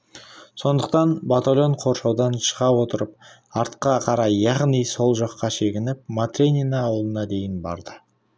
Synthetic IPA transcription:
so̞nd̪əq̚t̪ɑnbat̪alʲo̞ɴqʰo̞ɾʃɑwd̪ɑnʃə̥ʁɑwo̞t̪əɾəp̚ | ɑɾt̪qɑqʰɑɾɑjːɑʁnijso̞lˠʒɑqːɑʃe̞ɡʲɪnɪp̚mat̪rʲenʲinɑːwəlˠənɑd̪e̞jɪnbɑ̰ɾd̪ə

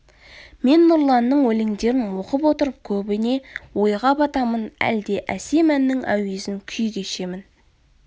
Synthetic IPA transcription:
me̞nːʊɾlˠɑnːəɴwɵleŋd̪e̞ɾɪnwo̞qəpwo̞t̪əɾəp̚kʲʰɵbɪne̞wo̞jʁɑbɑt̪ɑmənæ̰ld̪e̞ʔæse̞mænːɪŋʔæ̰wezɪŋkʲʰʏjkʲeʃe̞mɪn

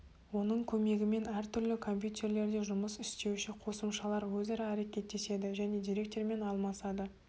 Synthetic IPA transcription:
wo̞nəɴkʲʰɵme̞ɡʲɪme̞næɾt̪ʰʏɾlɪkʰo̞mpʲjut̪ʲʰe̞ɾle̞ɾd̪e̞ʒʊməsɪst̪e̞wʃɪqʰo̞səmʃɑlˠɑɾwɵzɑɾɑæɾe̞kʲe̞t̪̚ːe̞se̞d̪ɪʒæne̞d̪iɾe̞k̚t̪ʲe̞ɾme̞nɑlˠmɑsɑd̪ə

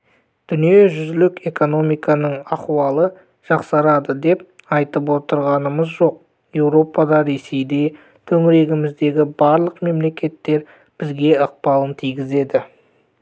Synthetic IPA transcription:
d̪̥ʏnije̞ʒʏzɪlɪkʲe̞ko̞no̞mijkɑnəɴɑqwɑlˠə | ʒ̥ɑqsɑɾɑd̪əd̪e̞p̚ | ɑjt̪əp̬wo̞t̪əɾʁɑnəməzʒo̞q̚ | je̞wɾo̞pɑd̪ɑɾe̞se̞jd̪e̞ | t̪ʰɵŋɪɾe̞ɡʲɪmɪzd̪e̞ɡʲɪbɑɾlˠəqme̞mle̞kʲe̞t̪ːe̞ɾ | b̥ɪzɡʲe̞əq̚pɑlˠənt̪ʰijɡʲɪze̞d̪ɪ

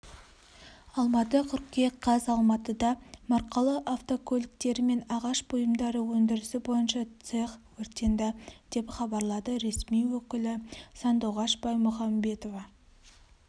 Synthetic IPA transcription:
ɑlˠmɑt̪əqʲʰʏɾqkʲeqʰɑzɑlˠmɑt̪əd̪ɑmɑɾqɑlˠəʔaft̪o̞kʰolʲɪkt̪e̞ɾɪme̞nɑʁɑʃbojəmd̪ɑɾəwɵnd̪ɪɾɪsɪbo̞jənʃɑt̪seχwɵɾt̪end̪ɑd̪̥e̞pχɑbɑɾlˠɑd̪əɾe̞smijwɵkʲɪlɪsɑnd̪uwʁɑʃbɑjmʊχɑmbe̞t̪o̞vɑ

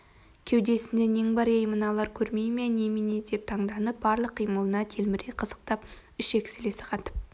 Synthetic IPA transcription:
kʲʰewd̪e̞sɪnd̪ene̞ŋbɑɾejmənɑlˠɑɾkʲʰɵɾmejme̞nemened̪e̞p̚t̪ʰɑɴd̪ɑnəp̚bɑɾlˠəqʰːijməlˠənɑt̪ʰelmɪɾeqʰəzə̥q̚t̪ɑp | ʏʃekʲsɪle̞sɪ̥qʰɑt̪ə̥p̚

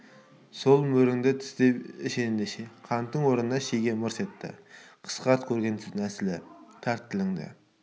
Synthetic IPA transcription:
solˠmɵɾɪŋd̪ɪt̪ʰɪ̥sd̪epɪʃenɪnd̪eʃeqʰɑnt̪ːəŋwoɾnənɑʃejɡʲemʊɾset̪ːɪ̰qʰə̥sqʰɑt̪̚kʲʰɵɾɡʲent̪ʰɪŋæsɪlɪt̪ʰæɾt̪ʰːɪlɪŋd̪ɪ̰

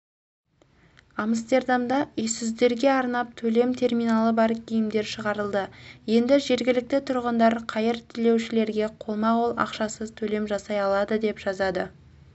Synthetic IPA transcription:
ɑməst̪e̞ɾd̪ɑmd̪ɑʏjsɪzd̪e̞ɾɡʲe̞ɑɾnɑp̚t̪ʰɵle̞mt̪ʰe̞rmijnɑlˠəbɑɾkʲʰijɪmd̪e̞ɾʃəʁɑɾəlˠd̪əje̞nd̪ɪʒe̞ɾɡʲɪlɪk̚t̪ɪt̪ʰʊɾʁənd̪ɑɾqʰɑjəɾt̪ʰɪle̞wʃɪle̞ɾɡʲe̞qʰo̞lˠmɑʁolˠɑ̰qʃɑsəzt̪ʰɵle̞mʒɑsɑjɑlˠɑd̪əd̪e̞pʒ̥ɑzɑd̪ə

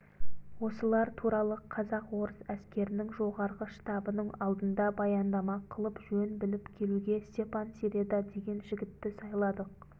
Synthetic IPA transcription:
wo̞səlˠɑɾt̪ʰuɾɑlˠəqʰɑzɑqwo̞ɾəsæskʲe̞ɾɪnɪŋʒo̞ʁɑɾʁəʃt̪ɑbənəɴɑlˠd̪ənd̪ɑbɑjɑnd̪ɑmɑqʰəlˠəpʒɵnbɪlɪpkʲʰe̞luɡʲe̞st̪e̞pɑnseɾed̪ɑd̪e̞ɡʲe̞nʒɪɡʲɪt̪ːɪsɑjlˠɑd̪əq̚

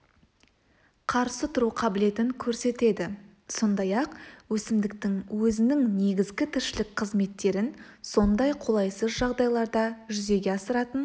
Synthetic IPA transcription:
qʰɑɾsət̪ʰʊɾuqʰɑbɪle̞t̪ɪŋkʲʰɵɾse̞t̪e̞d̪ɪ | so̞nd̪ɑjɑqwɵsɪmd̪ɪk̚t̪ɪŋwɵzɪnɪŋne̞ɡʲɪzɡʲɪt̪ʰɪɾʃɪlɪk̚qʰəzme̞t̪ːe̞ɾɪn | so̞nd̪ɑjqʰo̞lˠɑjsəzʒɑʁd̪ɑjlˠɑɾd̪ɑʒʏze̞ɡʲe̞ɑsəɾɑt̪ən

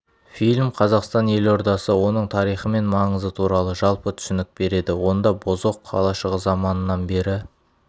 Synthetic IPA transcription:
filʲmqʰɑzɑqst̪ɑne̞lo̞ɾd̪ɑsəwo̞nəɴt̪ʰɑɾijχəme̞nmɑɴəzət̪ʰuɾɑlˠəʒɑlˠpət̪ʰʏ̥sɪnɪk̚be̞ɾe̞d̪ɪwo̞nd̪ɑbozoqʰːɑ̰lˠɑʃəʁəzɑmɑnənɑnbe̞ɾɪ

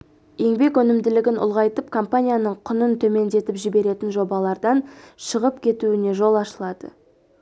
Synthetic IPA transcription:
je̞ŋbe̞kɵnɪmd̪ɪlɪɡʲɪnʔʊ̰lˠʁɑjt̪əpkʰo̞mpanʲijanəɴqʰʊnənt̪ʰɵme̞nd̪e̞t̪ɪpʒɪbe̞ɾe̞t̪ɪnʒo̞bɑlˠɑɾd̪ɑnʃəʁəpkʲʰe̞t̪uɪne̞ʒo̞lˠɑʃəlˠɑd̪̥ə̰

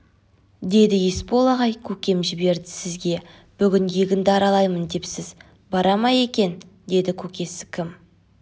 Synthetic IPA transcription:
d̪e̞d̪ɪjespo̞lˠɑʁɑjkʲʰɵkʲe̞mʒɪbe̞ɾd̪ɪsɪzɡʲe̞ | b̥ʏɡʲɪŋɡeɡʲɪnd̪ɪɑɾɑlˠɑjmənd̪e̞psɪz | bɑɾɑmɑje̞kʲe̞nd̪e̞d̪ɪkʲʰɵkʲe̞sɪ̥kʲʰɪm

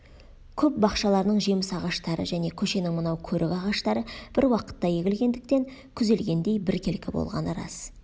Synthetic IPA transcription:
kʲʰɵp̚bɑqʃɑlˠɑɾənəɴʒe̞mɪsɑʁɑʃt̪ɑɾə̰ʒæne̞kʲʰɵʃe̞nɪŋmənɑwkʲʰɵɾʔɪkɑʁɑʃt̪ɑɾəb̥ɪɾwɑqə̥t̪ːɑje̞ɡʲɪlɡʲe̞nd̪ɪk̚t̪e̞ŋ | kʲʰʏze̞lɡʲe̞nd̪e̞jbɪɾkʲʰelkʲɪbo̰lˠʁɑ̰nəɾɑ̰s

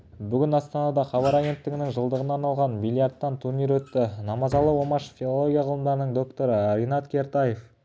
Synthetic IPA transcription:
bʏɡʲɪnɑst̪ɑnɑd̪ɑχɑbɑɾaɡʲe̞nt̪ːɪɡʲɪnɪŋʒəlˠd̪əʁənɑɾnɑlˠʁɑnmijlʲˠjart̪ːɑnt̪ʰuɾnijɾwɵt̪ːɪnɑmɑzɑlˠəwo̞mɑʃfʲilˠolˠo̞ɡʲijɑʁʰəlˠəmd̪ɑɾənəɴd̪o̞kt̪o̞ɾəɾʲijnɑt̪kʲʰe̞ɾt̪ɑje̞f

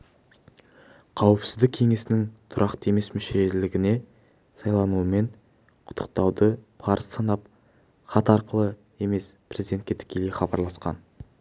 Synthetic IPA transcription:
qʰɑwəpsɪzd̪ɪkʲʰe̞ŋe̞sɪnɪŋt̪ʰʊɾʔɑqt̪əe̞me̞smʏʃe̞ʒeɾlɪɡʲɪne̞ | sɑjlˠɑnuəme̞n | qʰʊ̥t̪ʰːə̥q̚t̪ɑwd̪əpʰɑɾəsːɑnɑp̚ | χɑt̪ɑɾqəlˠə | e̞me̞spʰɾʲe̞zid̪e̞n̚kʲe̞t̪ʰɪ̥kʲʰe̞lejχɑbɑɾlˠɑsqɑ̰n

